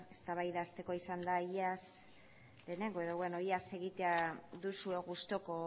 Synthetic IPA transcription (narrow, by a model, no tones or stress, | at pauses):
est̪aβajðaːst̪e̞ko̞isand̪aiʎas | le̞ːne̞ŋɡo̞e̞ðo̞βwe̞no̞iase̞ɣit̪eaðusue̞ɣust̪o̞ko̞